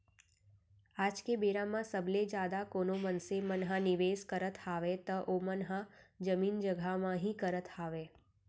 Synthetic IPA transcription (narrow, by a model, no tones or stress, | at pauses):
ad͡ʒkebeɾamãsəbled͡ʒad̪akonomənsemənɦãniʋeskəɾət̪ʰaʋet̪əʔomənɦad͡ʒəmind͡ʒəɡʱamãɦĩkəɾət̪ʰaʋe